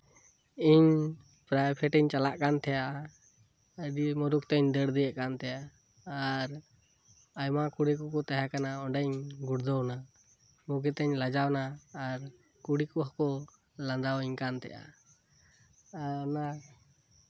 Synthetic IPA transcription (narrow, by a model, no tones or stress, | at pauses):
iɲ | pɾajpʰɛʈɛɲt͡ʃalaʔkant̪ʰɛjaʔa | əɖimɔɾukt̪ɛɲd̪əɽd̪ɛjəʔkant̪ʰɛjaː | ɾ | ajmakuɽikɔkɔt̪aɦakanaɔɳɖɛɲɡuɽd̪ɔwna | muɡɛt̪ɛɲlad͡ʒawnaːɾ | kuɽikɔɦɔkɔ | land̪awiɲkant̪ɛ̰ja̰ | na